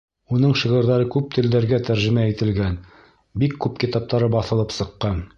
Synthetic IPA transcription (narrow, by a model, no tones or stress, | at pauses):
unɤɴʃiʁɤ̆ɾðɑɾɤkʉp̚t̪ʰɘ̆ld̪æɾɡæt̪æɾʒɘ̆mæit̪ɘ̆lɡæn | bikːʉpkit̪ɑp̚t̪ɑɾɤbɑθɤ̆lˠɤpsɤ̆qːɑn